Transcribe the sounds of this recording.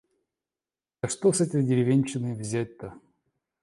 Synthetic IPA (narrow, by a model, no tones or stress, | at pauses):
ɐʂt̪osɛt̪ʲədʲɪɾʲɪvʲenʲt͡ɕɪnɨvzʲæt̚ʲt̪ə